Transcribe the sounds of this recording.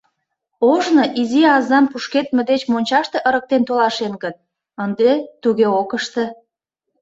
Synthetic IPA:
oʒnoʔiziɑzɑmpuʃket̪̚med̪et͡ɕmonʲt͡ɕɑʃt̪eʔəɾək̚t̪ent̪olɑʃenɡət̪̚ | ənd̪et̪uɣeokəʃt̪ĕ

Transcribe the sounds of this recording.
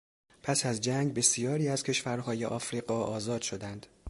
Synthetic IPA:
pʰæsæzd͡ʒæŋɡbe̞sijɒːɾiːæz̥cʰe̞ʃvæɾɦɒːje̞̰ʔɒːfɾiːɣɒːʔɒːzɒːd̪̥ʃo̞d̪ænd̪̥

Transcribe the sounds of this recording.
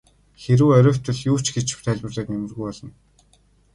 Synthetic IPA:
xeɾɘ̆wœɾʲʊːwʲt̪ɵ̆ɮju̥ːt͡ɕɡet͡ɕɪ̥̆w̥t̪ʰæːɮʲpə̆rɮeːk̪nʲemɘ̆rɣujɔɮɞ̆n

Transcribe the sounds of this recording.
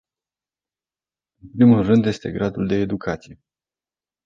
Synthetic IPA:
ɨnpɾimulrɨnd̪je̞st̪e̞ɡɾad̪uld̪e̞ːd̪ukʰat̪sije̞

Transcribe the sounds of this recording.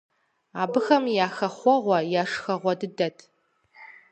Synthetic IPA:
aːbɨxɐmjaːxɐχʷɔʁʷɐjaːʂxɐʁʷɔdɨdɐtʰ

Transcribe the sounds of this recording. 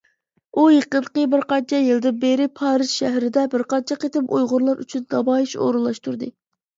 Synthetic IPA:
ujeqənqəbɪɾqɑnt͡ʃʰɛjɨlˠd̪ɨbeɾɪpʰɑːɾɨz̥ʃæɦɾɪd̪ɛbɪɾqɑnt͡ʃʰɛqet̪ɪpujʁʊɾlˠɑɾy̰t͡ʃʰynd̪ɑbɑːjiʃo̰ːɾɨlˠɑʃt̪uɾd̪ɨ

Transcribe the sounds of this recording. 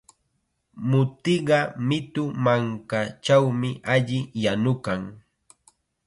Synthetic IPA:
mʊt̪ɪɢɑmɪt̪ʊmaŋkat͡ʃawmɪʔaʎɪjanʊkaŋ

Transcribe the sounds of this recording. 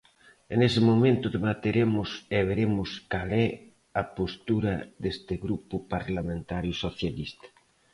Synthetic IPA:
enesɪmomẽnt̪ʊðeβat̪eɾemʊseβeɾemʊskalɛ | apost̪uɾɐðest̪ɪɣɾupʊpaɾlamẽnt̪aɾjʊsoθjalist̪ḁ

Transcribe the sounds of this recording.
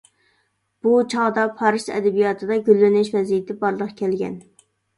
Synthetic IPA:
b̥ut͡ʃʰɑʁd̪ɑpʰɑɾɨʃɛ̰d̪ɛbijɑt̪ʰɨd̪ɑɡʲylːɪnɪʃvɛzijɪt̪ʰɪbɑɾlˠəqkʲʰɛlɡʲɛ̰n

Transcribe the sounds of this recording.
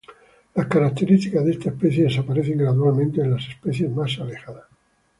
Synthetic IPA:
laskaɾak̚t̪e̞ɾist̪ikazðe̞st̪aespeθjeesapaɾeθe̞ŋɡɾaðualmẽnt̪eːnlase̞speθjezmasale̞xaðas

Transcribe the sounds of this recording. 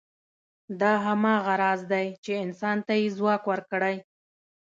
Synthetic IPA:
d̪ɑɦamɑɣaɾɑzd̪ajt͡ʃeɪnsɑnt̪ajezwɑkwəɾkɽaj

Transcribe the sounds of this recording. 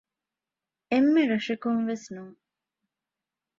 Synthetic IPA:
emːeɾɐʂekunʋesnuːŋ

